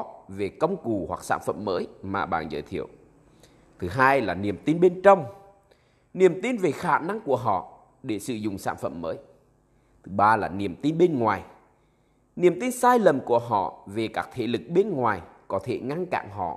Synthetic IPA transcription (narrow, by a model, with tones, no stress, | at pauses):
ve˨˩kə˧wŋ͡mku˨˩hwa˨˩k̚sa̰ː˧˥nfə̰˧˨mːəː˨˦jmaː˨˩ɓa̰ː˧˨˩nzə̰ː˧˦jt̪ʰḭ˧˨əw | t̪ʰɨ˨˦ɦaː˧jlaː˨˩ni˨˩əmt̪i˧nɓe˧nt͡ɕə˧wŋ͡m | ni˨˩əmt̪i˧nve˨˩xaː˧˩na˧ŋku˧˩əɦɔ̰˧˨ | ɗe˧˩sɨ̰˧˨zʊ̰˨˩ŋ͡msa̰ː˧˥nfə̰˧˨mːəː˨˦j | t̪ʰɨ˨˦ɓaː˧laː˨˩ni˨˩əmt̪i˧nɓe˧nŋwaː˨˩j | ni˨˩əmt̪i˧nsaː˧jlə˨˩mku˧˩əɦɔ̰˧˨ve˨˩kaː˦˥k̚t̪ʰḛ˧˩lɨ˨˩k̚ɓe˧nŋwaː˨˩j | kɔ˨˦t̪ʰe˧˩ŋa˧ŋka̰ː˧˨ŋɦɔ̰˧˨ʔ